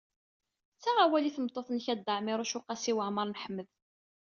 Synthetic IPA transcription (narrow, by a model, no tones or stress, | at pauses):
t͡sːæʁawæliθəmt̪ˤːoθnçæd̪ːəʕmɪɾˤʊʃʊqɑsiwəʕməɾˤnħəmːəð